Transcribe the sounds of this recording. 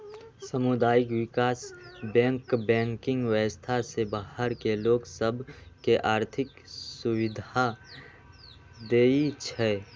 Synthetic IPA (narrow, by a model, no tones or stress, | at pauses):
səmʊd̪aːɪkwɪkaːsbɛ̃ŋkbɛ̃ːŋkɪ̃ŋɡwəəst̪ʰasebahəɾkeloːksəbʱkeʔaːɾt̪ʰɪk | suwɪd̪ʱa | d̪eːit͡ʃʰɛ